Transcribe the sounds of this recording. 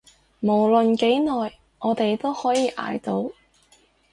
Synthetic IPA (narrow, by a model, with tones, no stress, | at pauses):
mo˨˩wlɵ˨nke˨˥jnɔː˨j | ʔɔː˨˧t̪e˨jt̪o˥whɔː˨˥jiː˨˧ʔa̰ː˨˧jt̪o˨˥w